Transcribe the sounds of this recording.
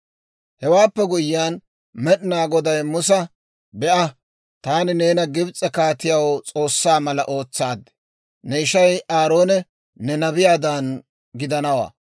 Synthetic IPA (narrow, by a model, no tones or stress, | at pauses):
hɛwaːpːɛɡʊjɪːaːn | mɛɗɪnaːɡɔd̪ɐjmʊs̬ɐ | bɛʔɐ | t̪aːnɪne̞ːnɐɡɪbt͡sʼːɛkaːt̪ɪjawɔt͡sʼo̞ːsːaːmɐlɐʔo̞ːt͡sːaːd̪ɛ̥ | nɛɪʃɐjaːɾo̞ːnɛ | nɛnɐbɪjaːd̪an | ɡɪd̪ɐnɐwa̰ː